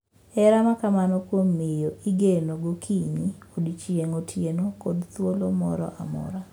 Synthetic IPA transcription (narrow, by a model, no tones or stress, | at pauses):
ɛɾamakamanɔkwomːɪjoiɡenoɡokʰiniodt͡ʃieŋotʰjenokodt̪wolomɔ̰ɾɔ̰ʔamɔ̰ɾa